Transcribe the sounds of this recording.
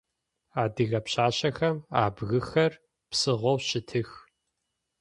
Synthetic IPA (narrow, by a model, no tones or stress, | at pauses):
aːdɨɣɐpɕaːɕɐxɐmaːbɣɨxɐr | psɨʁʷɔwɕɪtʰɨx